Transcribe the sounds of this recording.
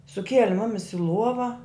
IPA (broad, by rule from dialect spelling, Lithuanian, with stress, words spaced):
sʊˈkʲiɛlʲɪ ˈmʊmʲɪs ɪ ˈlˠuɔʋɐ